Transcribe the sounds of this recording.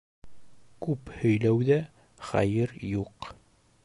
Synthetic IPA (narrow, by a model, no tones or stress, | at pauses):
kʉphɵ̆jlæwðæ | χæ̰jɘɾjuq